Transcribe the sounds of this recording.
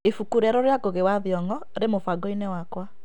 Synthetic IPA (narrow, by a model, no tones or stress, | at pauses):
efukuɾɛɾɔɾjaɡoɣewaðiɔŋɔɾemofaɡɔinɛwakwa